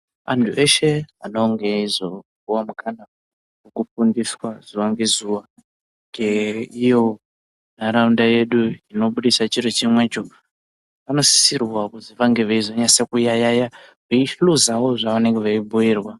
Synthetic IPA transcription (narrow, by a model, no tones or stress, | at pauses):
a̰ntʰue̞ʃe̞ano̞ŋɡe̞izoɡuwamukana | wokufundiswaz̥uwaŋɡe̞zuʋa | ŋɡeijo̞ | naɾaundaje̞ɗuino̞ɓuɗisat͡ʃiɾet͡ʃimwe̞t͡ʃo | pano̞si̥sirwakud͡ziʋaŋɡeʋeizoɲasekujajajaʐeiʃluzawoʐaʋane̞ŋɡeʋaibʱujiːrwa